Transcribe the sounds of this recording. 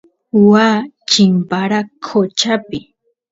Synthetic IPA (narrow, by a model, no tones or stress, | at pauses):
waː | t͡ʃɪmpaɾakʰot͡ʃapɪ